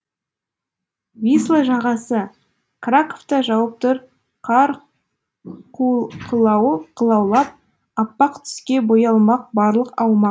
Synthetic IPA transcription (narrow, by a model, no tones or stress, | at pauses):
vʲislˠaʒɑʁɑsə | krakoft̪ɑʒɑwəp̚t̪əɾ | qʰɑɾ | quqʰəlˠɑwqʰəlˠɑwlˠɑp̚ | ɑpːɑqt̪ʰʏ̥skʲe̞bojɑlˠmɑq̚bɑɾlˠəqɑwmɑq